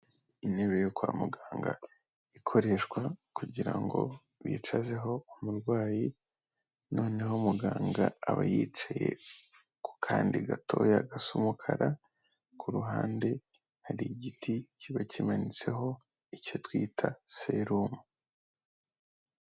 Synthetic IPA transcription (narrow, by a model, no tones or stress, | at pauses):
ineβejokwaːmuɡaːŋɡa̰ | ikʰo̞ɾe̞ʃkwakuɟiɾaŋɡo̞̰ | βḭːt͡ʃazeɦo̞umuɾɡwaːji | no̞ːne̞ɦomuɡaːŋɡaːβajiːt͡ʃaje̞̰ | ku̥kʰaːndiɡatʰo̞̰jaɡasumukʰaɾʔa | kʰuɾuɦaːnde̞ | haɾiɟiticʰiβacimanit͡se̞ɦo̞ | ico̞twiːtʰaseɾumu